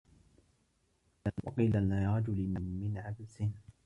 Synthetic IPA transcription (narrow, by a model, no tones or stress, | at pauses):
wɑ̰qiːlalaɾˤɑd͡ʒʊlɪmɪnʕabsɪn